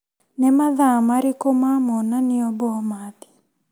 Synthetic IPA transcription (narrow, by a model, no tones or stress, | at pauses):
nɛmaðamaɾikomamɔnaniɔbɔmat̪i̥